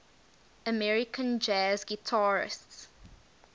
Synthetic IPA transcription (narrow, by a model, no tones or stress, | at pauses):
əmɛɹɪkʰə̃nd͡ʒazɡitʰaɹɪ̰sts